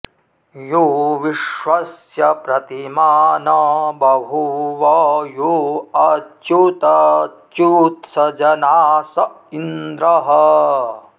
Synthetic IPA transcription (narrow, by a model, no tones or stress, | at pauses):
juʋiʃʋɐsjɐpɾɐt̪imaːnɐbɐbʱuʋɔːjuɐt̪jut̪ɐt̪jut̪sɐd͡ʒɐnaːsɐ | ind̪ɾɐɦɐ